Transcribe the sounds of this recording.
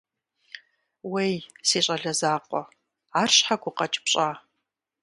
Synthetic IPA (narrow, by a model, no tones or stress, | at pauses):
wejsiːɕʼɐɮɐzaːqʷʼɔ | aːrɕħaɡʷʊqɐt͡ʃʼpɕʼaː